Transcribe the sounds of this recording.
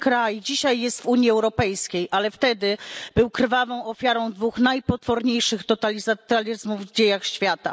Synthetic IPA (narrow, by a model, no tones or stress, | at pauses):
kɾajd͡ʑiɕajːɛst̪vuɲiɛwɾɔpɛjskʲejʔalɛft̪ɛd̪ɘb̥ɘwkɾvavɔ̃w̃ɔfʲjaɾɔ̃w̃d̪vuxnajpɔt̪fɔɾɲejʂɘxt̪ɔt̪alʲizat̪alʲizmuvd͡ʑejaxɕfʲjat̪a̰